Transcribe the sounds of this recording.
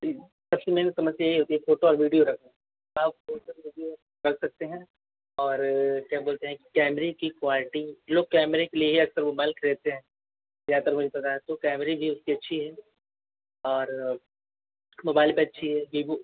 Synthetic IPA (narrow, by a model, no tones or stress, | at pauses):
pɐslemẽnsɐməsjaɦiɦoːt̪iɦɛ̃foːʈoɔːɾʋiːɖijoɾɐkʰa | abfoːʈoiʋiːɖijo | ɾɐk̚ʰsɐk̚t̪eɦɛ̃ | ɔːɾkjaːboːlt̪eɦɛ̃ki̥kɛːmɾekikwaːlɪʈiloːɡ̚kɛːmɾekeliebʱeɐksəɾomaːɪlkʰɾeːt̪eɦɛ̃ | zjaːt̪ɐɾmʊd͡ʒʱepɐt̪aɦɛ̃t̪okɛːmɾebʱiʊskiɐtːʃʰiɦɛː | ɔːɾ | moːbaːɪlpeɐtːʃʰiɦɛːɡiːbu